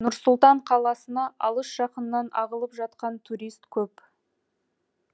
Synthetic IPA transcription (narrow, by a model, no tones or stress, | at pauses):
nʊɾsʊlˠt̪ɑɴqʰɑlˠɑsənɑʔɑlˠəʃʒ̥ɑqənəːɑnɑ̰ʁəlˠəpʒɑt̪qɑnt̪ʰuɾijst̪kʲʰɵp